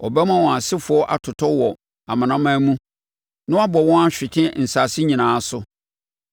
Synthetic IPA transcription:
ɔ̰˨bɛ˦mã˦wɔ̃˨a˨sɪ˦fʊ˨˦ɔ˦ʔa˦˨tʰʊ˨tʰɔ˦wɔ˨ | a˨mã˨nã˦mã˦mũ˦ | nã˦a˦bɔ˨wɔ̃˦a˦ɕᶣɪ˨tʰɪ̃˦n̩˨saː˨sɪ˦ɲĩ˨nãː˨˦sʊ˦

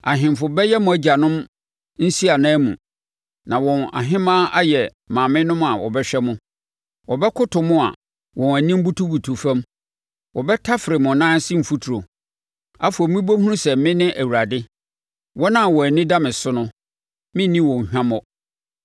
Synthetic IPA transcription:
a˨ɦɪ̃˨m˨fʊ˨bɛ˦jɛ˦mʊ̃˨æ˦d͡ʑa˨nʊ̃˦m | n̩˦si˦a˨nã˦mṵ̃˨ | nã˨wɔ̃˨na̰˨ɦɪ̃˦mãː˦a˦jɛ˨ | mã˨mɪ̃˦nʊ̃˦ma˨wɔ̰˨bɛ˦ɕᶣɛ˦mʊ̃˦ | wɔ˨bɛ˦kʰʊ˦tʰʊ˨mʊ̃˦a̰˨ | wɔ̃˨næ˨nĩ˦m̩˦bu˦tʰu˦bu˨tʰu˨fã˦m | wɔ˨bɛ˦tʰa˦fɪ˨ɾɪ˨mʊ̃˨nãː˦n˦sɪ˦m̩˨fu˦tʰu˨ɾo˨ | a˦fʊ˨ɔ˨mĩ˦bo˦ɦũ˦ɾũ˦sɛ˨mɪ̃˦nɪ̃˦ʔæ˨wu˨ɾa˨dɪ˦ | wɔ˦nã˦˨wɔ˨nɪ̃˦da˦mɪ̃˨sʊ˦nʊ̃˦ | mɪ̃˦nĩ˦wɔ̃˨hᶣã˦mɔ˦

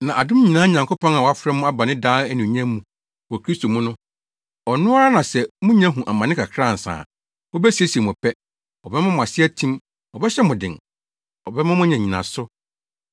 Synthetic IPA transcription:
nã˨ʔa˨dʊ̃˦m˦ɲĩ˨nãː˦ɲã˨ŋkʰo˦pʰɔ̃˦na˨wɔ˨˦a˦fɾɛ˦mʊ̃˦a˦ba˨nɪ̃˦daː˦ɛ˦nĩ˨ɲɛ̃˦mũ˦ | wɔ˨kʰɾi˦sto˨mũ˦nʊ̃˦ | ɔ˨nʊ̃˦a˦ɾa˦nã˨sɛ˨mʊ̃˦ɲ˦ã˦ɦũ˨ʔa˨mã˨nɪ̃˦kʰa˨kʰɾa˦˨n̩˨sã̰ː˨ | mʊ̃˦bɛ˦si˨e˦si˨e˨m˨ʊ̃˨pʰɛ˦ | ɔ˨bɛ˦mã˦mʊ̃˨a˨sɪ˦ɛ˦tʰĩ˦m | ɔ˨bɛ˦ɕɛ˦mʊ̃˨dɪ̰̃˨ŋ | ɔ˨bɛ˦mã˦mʊ̃˦ɲã˨ɲĩ˨nã̰˨sʊ˦

